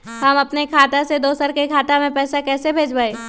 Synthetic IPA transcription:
ɦɐmɐpnekʰaːt̪ased̪oːsəɾkekʰaːt̪amẽpɛːsakɛːsebʱeːd͡ʒbaeː

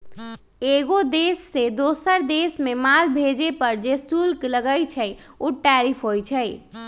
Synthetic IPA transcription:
eɡod̪esːed̪osəɾd̪esmemalbʱed͡ʒepəɾd͡ʒesʈulkləɡəjt͡ʃʰəj | uʈɛɾipʰɦojt͡ʃʰəj

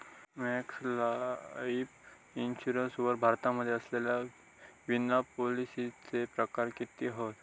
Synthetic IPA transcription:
mɛkslaip | inɕuɾənsuʋəɾbʱaɾt̪aməd̪ʱːjeəslelja | ʋinapolisit͡sepɾəkaɾkit̪iɦot̪

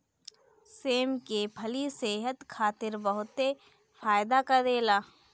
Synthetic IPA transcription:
seːmkebʰʱɐliseːɦət̪kʰaːt̪ɪɾbəɦʊt̪e | faːjd̪akɐd̪eːlaː

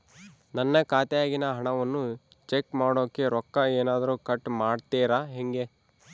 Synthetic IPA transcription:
nɐnːɐkaːt̪ɛjaːɡinɐɦɐɳɐʋɐnːu | t͡ʃekmaːɽoːkːeɾɔkːɐeːnaːd̪ɐɾuːkɐʈːmaːɖt̪iːɾaɦeŋɡe

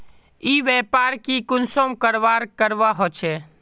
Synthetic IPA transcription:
iːʋɛːpaːɾkikʊnsõmkəɾʋaːɾkəɾʋaɦoːt͡ʃʰeː

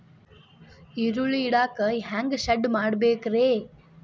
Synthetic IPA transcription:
iɾuɭiɽaːkɐɦaːŋɡʃɐɖmaːɽɐbeːkɾeː

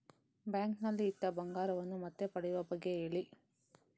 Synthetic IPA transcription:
baːŋknɐlːiːt̪ːɐbɐŋɡaːɾɐʋɐnːumɐt̪ːepɐɽɛjʋɐbɐɡːeeːɭi

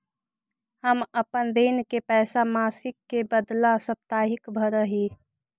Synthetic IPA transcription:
həməpənd̪eːnkepɛːsamaːsɪkːebəd̪lasəp̚t̪aːɦɪkbʱəɾəɦiː

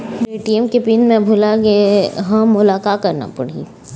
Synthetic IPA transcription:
beːʈiɛmkepiːnmẽbʱʊlaɡeɦɐ̃ːʊlaːkaːt̪̚kɐɾna̰pɐ̰ɽ̤ḭː

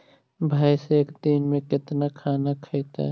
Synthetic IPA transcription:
bʱaːjseeːkd̪inmẽkɪt̪nakʰaːnakʰəjt̪a̰

